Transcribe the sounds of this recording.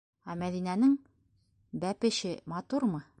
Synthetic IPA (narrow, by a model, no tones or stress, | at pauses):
æmæðinænɘŋ | bæpɘ̆ɕɘmɑt̪uɾmɤ